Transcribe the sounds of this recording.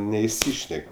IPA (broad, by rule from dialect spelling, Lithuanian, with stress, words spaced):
nʲɛɪˈsʲiːʃʲnʲɛkʲ